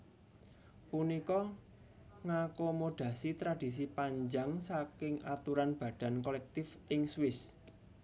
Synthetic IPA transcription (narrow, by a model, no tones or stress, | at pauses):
punikɔ | ŋakomoɖ̥a̤sit̪ɾad̥i̤s̬ipaɲd͡ʒaŋsakɪŋat̪uɾanb̥ä̤d̥a̤nkolɛk̚t̪ɪfʔɪŋswɪs